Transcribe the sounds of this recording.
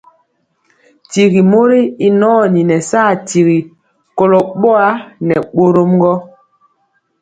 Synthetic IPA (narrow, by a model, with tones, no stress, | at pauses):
ti˨ɣi˨mo˦ɾi˦i˦nɔː˦˨ni˨nɛ˨saː˦˨ti˨ɣi˨ | kɔ˨lɔ˨ɓɔ˦a˦nɛ˨ɓo˦ɾo˦mŋ˦ɡɔ˦